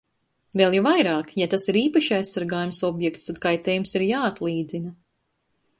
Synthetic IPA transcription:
velˠjavajɾaːkjat̪asiɾiːpaʃiajssaɾɡaːjumsɔbjɛkt̪st̪ad̪kajt̪ɛːjumsiɾjaːat̪lˠiːd̪zinɐ

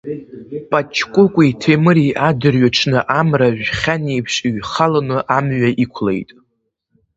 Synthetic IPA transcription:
pʼat͡ʃʰkʷʼʊkʷʼitʰemɨɾiʔadɨrɥaʈ͡ʂʰnɨʔamraʒᶣχʲanejpʰʂɥχalanɨʔamɥaʔikʷʰle̞̰jtʼ

